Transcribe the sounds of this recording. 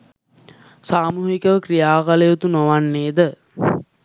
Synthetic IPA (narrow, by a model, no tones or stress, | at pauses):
saːmuːɦikəʋəkrijaːkaləjot̪unoʋanːeːd̪ə